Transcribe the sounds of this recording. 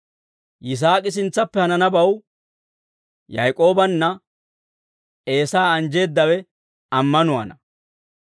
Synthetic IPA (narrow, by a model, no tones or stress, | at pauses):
jɪs̬aːkʼɪs̬ɪnt͡sːɐpːɛhɐnɐnɐbɐw | jɐjkʼo̞ːbɐnːɐ | e̞ːsaːɐnd͡ʒe̞ːd̪ːɐwɛ | ɐmːɐnʊa̰ːnɐ